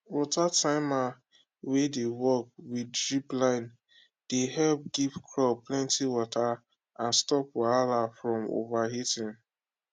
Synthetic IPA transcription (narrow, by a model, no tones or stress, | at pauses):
wɔtatãɪma | wedewɔk̚widɹiplãɪ̃n | d̥ehɛlp̚ɡivkʰɹɔplɛ̃ntiwɔta | ãnstɔpwaɹalafɹɔ̃mo̰vaɦitĩn